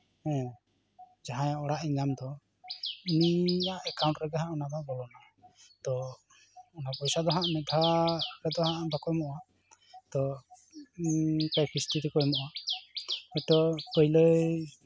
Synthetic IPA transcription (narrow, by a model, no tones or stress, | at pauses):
hɛ̃ | d͡ʒaɦãjɔɽaʔiɲamd̪ɔ | inijaʔɛkaw̃ɳʈɾɛɡaɦãʔɔnababɔlɔna | t̪ɔ | ɔnapɔjsad̪ɔɦaʔmɛd̪ʱakɛd̪ɔɦaʔbakɔjmɔʔa | t̪ɔ | kajkʰɾist̪iɾikɔjmɔʔa | ɔt̪ɔpəjlə